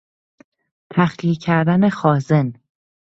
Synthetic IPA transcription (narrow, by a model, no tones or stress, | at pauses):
t̪ʰæxliːcʰæɾd̪æne̞xɒːze̞n